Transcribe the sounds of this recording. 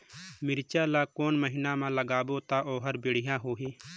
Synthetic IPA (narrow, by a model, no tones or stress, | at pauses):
mɪɾt͡ʃaːlaːkoːnməɦɪnãːmãːləɡaːboːt̪aːʔoːɦəɾbɪɽ̤ɪjãːɦoːɦiː